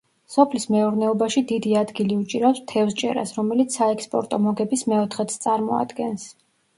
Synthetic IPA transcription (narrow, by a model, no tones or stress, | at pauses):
sɔpʰlismɛuɾnɛɔbaʃid̪id̪iad̪ɡiliut͡ʃʼiɾapst̪ʰɛfst͡ʃʼɛ̰ɾa̰sɾɔmɛlit̪sʰaɛkspʼɔ̰ɾt̪ʼɔmɔɡɛbismɛɔt̪ʰχɛt̪st̪sʼaɾmɔa̰d̪ɡɛns